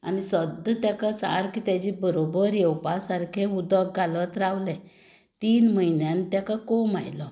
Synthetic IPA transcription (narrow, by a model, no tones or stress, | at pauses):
a̰nisəd̪ʱət̪jakat͡sa̰ɾkit̪jad͡ʑibəɾobəɾjewpasaɾkʰẽud̪ɔk̚ɡʱalət̪ɾawlɛ̃ | t̪iːnməjnjãnt̪jakakɔmajlɔ